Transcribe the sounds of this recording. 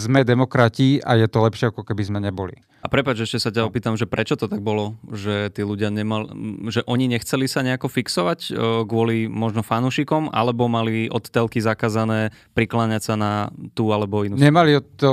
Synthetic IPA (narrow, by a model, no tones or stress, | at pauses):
zmɛd̪ɛmɔkɾaciʔajɛt̪ɔlɛpʃɪɛakɔkɛbizmɛɲɛbɔlḭ | apɾɛpad͡ʒɛʃcɛsacaɔpiːt̪amʒɛpɾɛt͡ʃɔt̪ɔt̪aɡ̚bɔlɔʒɛt̪iːluɟɪaɲɛmalʒɛʔɔɲiɲɛxt͡sɛlisaɲɛakɔfiksɔʋacɡʋʊɔlimɔʒnɔfanuːʃikɔmʔa̰lɛbɔmaliʔɔt̪ːɛlkizakaːzanɛːpɾiklaɲacsanat̪uːalɛbɔinuɲɛmaliɔt̪ɔ